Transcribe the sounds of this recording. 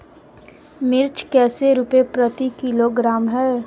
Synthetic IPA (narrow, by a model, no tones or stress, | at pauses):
mɪɾt͡ʃkɛːseɾuːpepɾət̪ikɪloɡɾaːmɦɛː